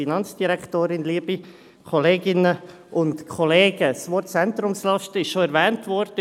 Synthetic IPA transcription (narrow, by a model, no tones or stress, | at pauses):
inɑnt͡sd̥iɾɛktoːɾɪnliəbi | kʰɔleːɡɪnə | ʔʊntkʰɔleːɡ̥əsʋɔɾtt͡sɛnt̪ɾʊmslɑʃtəɪʃʃoɛɾvɛːntvɔɾd̥ə